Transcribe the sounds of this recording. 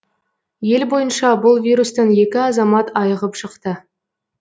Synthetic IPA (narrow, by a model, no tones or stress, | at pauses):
je̞lbo̞jənʃɑbʊlˠvʲijɾust̪ɑnje̞kʲɪɑzɑmɑt̪ʰɑjəʁəpʃəqt̪ə